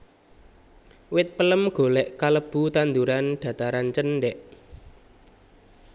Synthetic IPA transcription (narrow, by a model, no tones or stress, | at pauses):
wɪt̪̚pələmɡ̥o̤lɛʔkaləb̥ut̪and̪uɾanɖ̪̥ä̤t̪aɾant͡ʃənɖɛʔ